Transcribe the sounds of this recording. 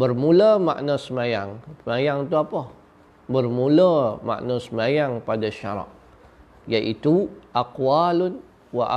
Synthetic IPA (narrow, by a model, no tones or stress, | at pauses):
bərmuləma̰ʔnasəmajaŋəmajaŋt̪uapə | bərmuləma̰ʔnasəmajaŋpadaʃa̰ɾa̰ʔ | jaʔit̪uʔaqwalʊn | waʔa